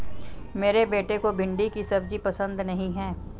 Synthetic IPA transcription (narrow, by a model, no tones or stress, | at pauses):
meːɾebeːʈekobʱɪ̃ɳɖikisɐb̚d͡ʒipɐsə̃nd̪nɐɦĩɦɛː